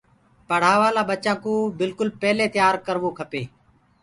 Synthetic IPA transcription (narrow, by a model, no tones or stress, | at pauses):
pəɽ̤aːʋaːlaːɓət͡ʃãːkõːbɪlkʊlpɛːleːt̪ɪjaːɾkəɾʋoːkʰəpeː